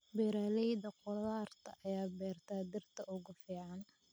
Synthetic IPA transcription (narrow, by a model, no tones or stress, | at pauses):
bɛːɾaːlɛjðɐqʊllaːrt̪ʰɐ̰ʔɐjaːbɛːrt̪ʰaːd̪ɪrt̪ʰɐʔʊɣʊfiːʕɑn